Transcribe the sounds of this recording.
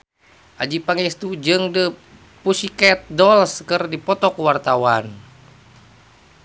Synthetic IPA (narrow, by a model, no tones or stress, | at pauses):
ʔad͡ʒipaŋɛst̪ud͡ʒɨŋdə | pusikɛt̪̚dɔlskərdipɔt̪ɔkuwart̪awan